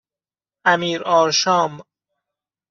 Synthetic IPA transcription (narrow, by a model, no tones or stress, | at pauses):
æmiːɾɒːɾʃɒːm